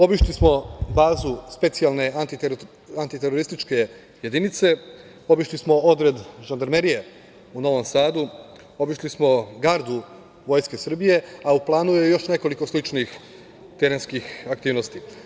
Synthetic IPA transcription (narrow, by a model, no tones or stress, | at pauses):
o̞biʃlismo̞baːzuspe̞t̪sijalˠne̞ʔant̪i | ant̪it̪eɾoɾist̪it͡ʃke̞ | je̞d̪init̪se̞ | o̞biʃlismo̞o̞d̪ɾe̞d̪ʒand̪aɾmeɾije | uno̞ʋo̞msaːd̪u | o̞biʃlismo̞ɡaɾd̪u | ʋo̞jske̞sr̩bije̞auplˠaːnujejo̞ʃne̞ko̞liko̞slit͡ʃnix | t̪eɾenskixakt̪iːʋnost̪i